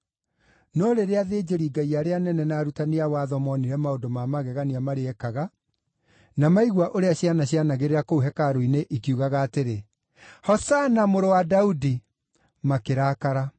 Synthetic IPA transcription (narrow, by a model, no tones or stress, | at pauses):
nɔɾeɾeaðeːd͡ʑeɾiɡaiaɾeanɛnɛnaːɾutaneawaðɔmɔniɾɛmaondomamaɣɛɣaniamaɾeɛkaɣa | namaiɣwaʔoɾeaɕjanaɕjanaɣeɾeɾakouɦɛkaɾoineʔikiuɣaɣaːteɾe | hɔsanamoɾowadaudi | makeɾakaɾa